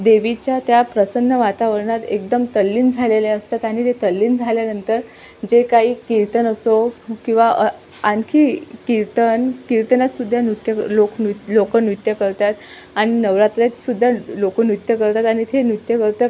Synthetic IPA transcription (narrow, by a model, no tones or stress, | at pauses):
d̪eʋit͡ɕjat̪japɾəsənːəʋat̪aʋəɭɳat̪ek̚d̪əmt̪əlːiːnd͡zʱaleleəst̪at̪aɽ̃it̪et̪əlːiːnd͡zʱaljanənt̪əɾ | d͡ʑekaɦiːkiɾt̪ənəsokĩw̃ʋaʔə | ankʰiːkiɾt̪ənkiɾt̪ənasud̪ʱːjanut̪jəloklokənjut̪jəkəɾt̪at̪ | aɽ̃inəʋɾat̪ɾat̪sud̪ʱːalokənut̪jəkəɾt̪at̪aɽ̃it̪ʰenut̪jəkəɾt̪ə